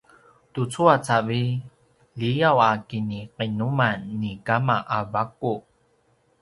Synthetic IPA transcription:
tut͡suat͡savi | lijawakiniqinumanːikamaʔavaku

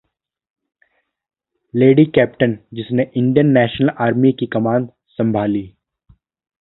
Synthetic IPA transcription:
leːɖikɛːp̚ʈənd͡ʒɪsneʔɪ̃ɳɖijənːɛːʃnəlaːɾmikikɐmãːnd̪ | sɐ̃mbʱaːliː

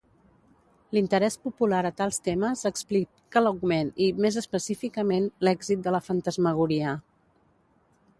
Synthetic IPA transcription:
lint̪əɾɛspupulaɾət̪alˠst̪eməzəksplikː | ələwɡmenimezəspəsifikəmenlɛɡzit̪̚d̪ələfənt̪əzməɣ̞uɾiə

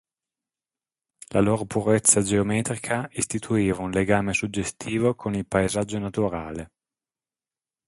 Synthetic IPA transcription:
lʔa̰loːɾopuɾet̪sːad͡ʒeomɛːt̪ɾikʰaist̪it̪ʰuiːvaunleɡaːmesud͡ʒːest̪ʰiːvokʰonilpaezad͡ʒːonat̪uɾa̰ːle

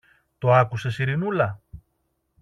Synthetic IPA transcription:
t̪o̞ɐkuse̞siɾinulɐ

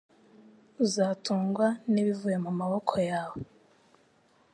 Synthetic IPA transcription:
zaːtʰuːŋɡwaniβivuje̞mumaβokʰojaːwo

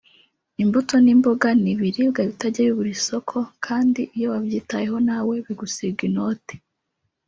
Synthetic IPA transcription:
imbutʰo̞nimboɡaniβiɾibɡaβitaɟeβiβuɾiso̞kʰo̞kʰaːndiijoβabɟiːtaje̞ɦo̞nawe̞βiɡusiɡinoːte̥

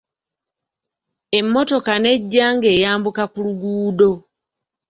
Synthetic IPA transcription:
e̞mːo̞to̞kane̞ɟːaːŋɡe̞ːjaːmbukakuluɡuːdo̞

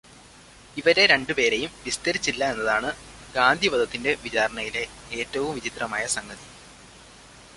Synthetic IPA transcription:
iʋɐɾe̞ɾe̞ɳɖɨpe̞ːɾe̞jumʋist̪ɐɾit͡ɕːilːɐe̞nːɐðaːɳɨ | ɡaːnd̪ʱibɐd̪ɐt̪ːinde̞ʋit͡ɕaːɾɐɳɐjile̞eːtːɐʋumʋit͡ɕit̪rɐmaːjɐsɐŋɡɐði

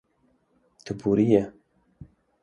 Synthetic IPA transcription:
t̪ʰɨbuɾijɛ

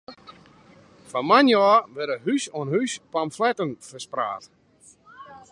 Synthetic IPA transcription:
famanjɔːʋɛɾəɦysoənhyspamflɛtənfəspra̰ːt

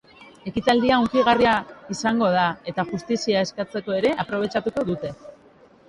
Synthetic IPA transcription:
e̞kit̪ald̪iauŋkiɣ̞ariaisaŋɡo̞ð̞ae̞t̪aʝust̪isiae̞skat͡se̞ko̞e̞ɾe̞ʔapɾo̞β̞e̞t͡ʃat̪uko̞ðut̪e̞

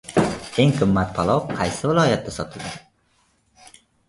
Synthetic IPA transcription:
eŋqʰɨmːat̪̚pʰalˠɒwqʰɑjsɪvɪlˠɒjat̪̚d̪ːasɒt̪ʰɪld̪ɪ

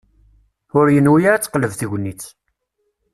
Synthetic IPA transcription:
ʊɾjənwijaɾæt͡sːqləvθiʝʷnːit͡s

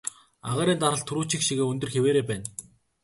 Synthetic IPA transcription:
aʁaːɾʲiːnt̪aɾə̆ɮt̪ʰuɾuːt͡ɕĭkʃiɣeːɵnt̪ɵ̆rxeweːɾeːpæːn

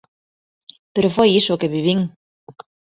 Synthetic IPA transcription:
peɾofojisʊkeβiβiŋ

